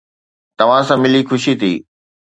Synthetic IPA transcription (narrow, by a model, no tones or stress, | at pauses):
t̪ɐʋ̤ãsãːmɪlixʊʃit̪ʰiː